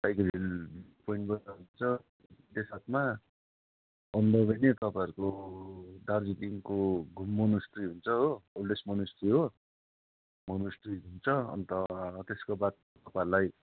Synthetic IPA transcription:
tajkʌilpoiɳʈbʌnd̪aɦunt͡sʰʌ | t̪esat̪ʰma | ʌnd̪ʌbʱʌjnet̪ʌpãʌɾuko | d̪ard͡zit̪iŋkoɡʱumːʌnusʈriɦunt͡sʰʌɦoolɖesmʌnusʈriɦo | mʌnusʈriɦunt͡sʰʌʌ̰nt̪ʌt̪eskobat̪̚ | t̪ʌpãɾlaj

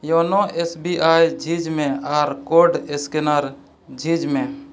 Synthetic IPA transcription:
joːnoʔesbiʔaːjd͡ʒʱid͡ʒmẽaːɾkoɾɖeskenaɾ | d͡ʒʱid͡ʒmẽ

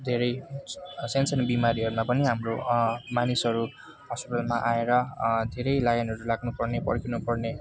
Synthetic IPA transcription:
d̪ʱeɾʌj | sensʰʌnbimaɾiɦʌɾumapʌniɦamromanisɦʌɾu | ɦʌspiʈʌlmaʔaeɾʌd̪ʱeɾʌjlajʌnɦʌɾulaɡnupʌrnepʌ̰rkʰinupʌrne

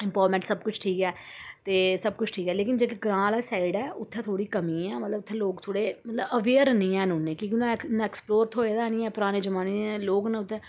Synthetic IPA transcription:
ɪ̃mpaːɾmɛ̃ːɳʈsəbkʊt͡ʃʰʈʰiːkɛːt̪eːsəb̚kʊt͡ʃʰʈʰiːkɛːleːkɪnd͡ʒeːkeɡɾãːlɛːsaːɪɖɛːʊt̪ʰːɛ̃ːt̪ʰoːɽiːkəmĩːɛːmət̪ləbʊt̪ʰːẽːloːkt̪ʰoːɽeːmət̪ləbəʋeːəɾnĩːɛːnũːneːkĩːkɪnõɛnɛːksploːɾt̪ʰɦoːeːd̪aːnĩːɛ̃ːpʊɾaːneːd͡ʒəmaːneeloːknãːʊt̪ʰːɛ̃ː

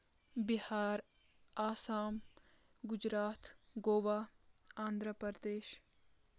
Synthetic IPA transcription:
bɪhaːɾ | aːsaːm | ɡʊd͡ʒɾaːt̪ɡoːʋaːãːnd̪ʱɾəpɾəɾd̪eːʃ

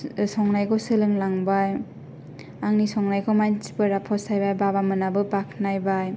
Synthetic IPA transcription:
sɔŋnajkʰɔsɯlɯŋlaŋbaj | aŋnisɔŋnajkʰɔmansi̥pɯɾapʰɔsajbajbabamɯnabɯbakʰnajbaj

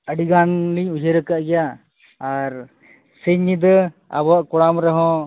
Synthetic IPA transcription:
əɖiɡanliɲud͡ʒʱeɾəkaʔɡɛjaː | ɾ | səɲid̪ə | a̰bɔwaʔkɔɽamɾɔɦɔ̃

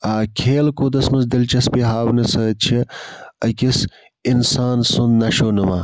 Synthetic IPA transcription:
aːkʰeːlkoːd̪ɐsmɐsd̪ɐlt͡ʃɐspiɦaːwnɐsɐːt͡ʃʰiɐkʲis | insaːnsunnɐʃoːnɐmaː

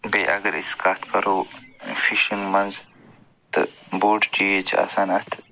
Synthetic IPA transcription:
beːʔɐɡɐɾḭskaːt̪kɐɾoːfiʃənmɐnz | t̪ɐ̰boːɖd͡ʒiet͡ʃa̰ːsaːnat̪ʰ

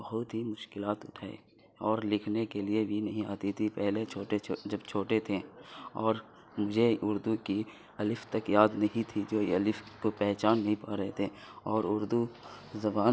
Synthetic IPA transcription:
bɐɦʊt̪ɦimʊʃkɪlaːt̪ʊʈʰaːḛ | ɔːɾlɪkʰnekeliebʱinɐɦĩaːt̪it̪ʰipɛɦlet͡ʃʰoːʈed͡ʒɐbt͡ʃʰoːʈet̪ʰeɔːɾ | mʊd͡ʒʱeʔʊɾd̪uki | ɐlɪft̪ɐkjaːd̪nɐɦĩt̪ʰid͡ʒoːɐlɪfkopɛɦt͡ʃaːnːɐɦĩpaːɾɐɦet̪ʰeɔːɾʊɾd̪u | zɐbaːn

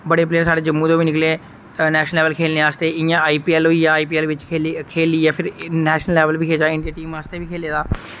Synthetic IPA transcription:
bəɽeːpleːsaːɖeːd͡ʒəmːuːd̪õːʋiːnɪkleː | nɛːʃnəlɛːʋəlkʰeːlneːaːst̪eːɪjãːaːiːpiːɛːloːiːjaːiːpiːɛːlʋɪt͡ʃːkʰeːliːjãːpʰɪɾnɛːʃnəlːɛːʋəlʋiːkʰeːd͡ʒaːɪɳɖijaːʈiːmaːst̪eːʋiːkʰeːleːd̪aː

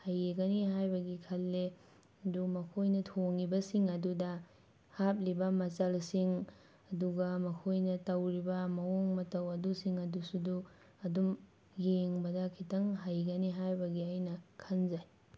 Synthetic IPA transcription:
hajeɡɐniɦajbɐɡikʰɐlːe | ɐdumɐkʰojnɐtʰoŋibɐsiŋɐdudɐ | hap̚libɐmɐt͡ʃɐlsiŋ | ɐduɡɐmɐkʰojnɐtɐwɾibɐmɐoŋmɐtɐwɐdusiŋɐdusudu | ɐdum | jeŋbɐdɐkʰitɐŋɦajɡɐniɦajbɐɡiɐjnɐkʰɐnzaj

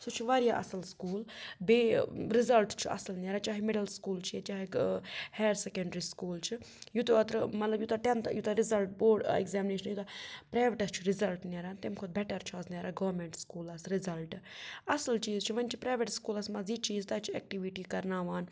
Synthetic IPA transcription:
soːt͡ʃʰiʋaːɾjaːʔɐ̰sɐlskuːlbeːɾɪzɐlʈt͡ʃʰiɐ̰sɐlneɾaːt͡ʃaːɦimeɖəlskuːlt͡ʃʰiet͡ʃaːɦiheːɾsekeɳɖɾiːskuːlt͡ʃʰijut̪oɐt̪ɾmɐt̪lɐbjut̪aʈent̪jut̪aɾizɐlʈboːɖḛkzɛːmɪneːʃɐnjut̪apɾaːjʋeʈɐst͡ʃʰuɾɪzɐlʈneɾaːnt̪emkʰoːt̪̚bɛʈɐɾt͡ʃʰuɐsneɾaɡɐʋɾmẽɳʈskuːlɐsɾizɐlʈɐsɐlt͡ʃiːzt͡ʃʰiʋɐnt͡ʃʰi̥pɾaːʋeʈskuːlɐsmɐziːt͡ʃiːzt̪at͡ʃʰiɛːk̚ʈiʋiʈiːkɐɾnaːʋaːn

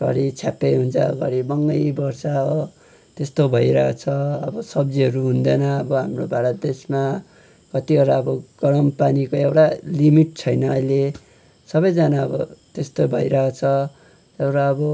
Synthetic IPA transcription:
sʌ̰ɾit͡sʰjapeɦunt͡sʰʌɡʌɾibʌŋɡʌjbʌrsaːbʌ | t̪est̪obʱʌjɾʌt͡sʰʌʌbʌsʌb̚d͡ziɦʌɾuɦund̪ʌnʌʌbʌɦamrobʱaɾʌt̪̚d̪esma | kʌt̪iʌɾaʌbʌɡ̥ʌɾʌmpanikoewʈalimiʈ̚t͡sʰʌjnʌːjle | sʌbʌjd͡zanaʌbʌt̪est̪obʱʌiɾʌt͡sʰʌ | ewʈaʌbʌ

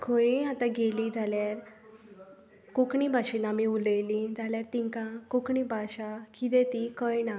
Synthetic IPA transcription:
ɡʰoiat̪ãɡelid͡zʱaljaɾ | kokɳibʱaɕinamiuləjlid͡zaljaɾt̪iŋkakokɳibʱaɕakit̪̬et̪ikəjna

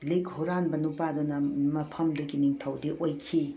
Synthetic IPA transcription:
likhuɾanbɐnupadunɐmɐpʰɐmdukiniŋtʰɐwdiʔojkʰi

